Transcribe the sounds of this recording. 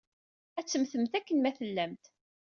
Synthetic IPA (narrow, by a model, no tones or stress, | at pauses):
æt͡sːəmθəmt̪ækːənmæθəlːæmt̪